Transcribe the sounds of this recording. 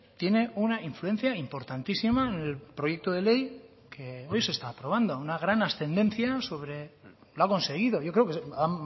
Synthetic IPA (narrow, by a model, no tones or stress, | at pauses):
t̪je̞ne̞unaiɱfluẽ̞n̟θjaimpo̞ɾt̪ant̪isimaene̞lpɾo̞je̞k̚t̪oðe̞lej | kʰe̞o̞jse̞st̪aːpɾo̞βand̪o̞unaɣɾanasθe̞nd̪ẽ̞nθjaso̞β̞ɾe̞ | lako̞nse̞ɣ̞iðo̞ʝo̞kɾeokeam